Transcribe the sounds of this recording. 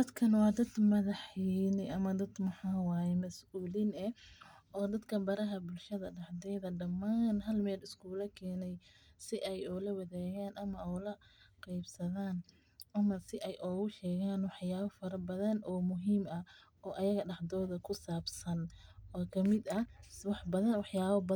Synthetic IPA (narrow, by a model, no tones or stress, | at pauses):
d̪ɐd̪kʰɐnwɑːd̪ɐd̪mɐðɑħiːnɛɐmɐd̪ɐd̪mʊħaːwaːjɛmɐsuːlinɛ | ɔːd̪ɐd̪kʰɐbɐɾɐɦɐbʊlʃɐðɐɖɑħd̪ɛːðɐɖɐmːaːnɦɐlmɛːlɪskʰuːlɐkʰɛːnɛjsɪʔɛjɔːlɐwɐðaːɣaːnʔɐmɐʔɔːlɐqɑjbsɐðaːn | ʔɐmɐsɪʔɛjʔɔːɣʊʃɛːɣaːnwɑħjaːβɐfɐɾɐbɐðɐnʔɔːmʊɦiːmɐ | ʔɔːʔɐjɐɣɐɖɑħd̪ɔːðɐkʰʊsaːbsɐnɔːkʰɐmɪd̪ɐwɑħbɐðɐnwɑħjaːβɐbɐ